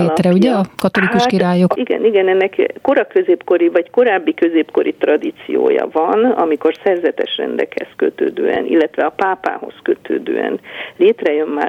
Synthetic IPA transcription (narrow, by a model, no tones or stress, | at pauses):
eːt̪rɛuɟɛɒkɒt̪o̞likuʃkiɾaːjokiɡɛ̰niɡɛnɛnːɛkko̞ɾɒkø̞zeːpko̞ɾivɒcko̞ɾaːbːikøzeːpko̞ɾʔit̪rɒd̪it̪sḭjo̰ːjɒ̰vɒnɒmiko̞rsɛrzɛt̪ɛʃrɛ̰nd̪ɛkhɛ̰skøt̪øːd̪øːɛ̰nḭlːɛt̪ʋɛɒpaːpa̰ːɦo̞̰skøt̪ʰøːd̪ø̰ːɛ̰nleːt̪rɛjø̞mma̰ː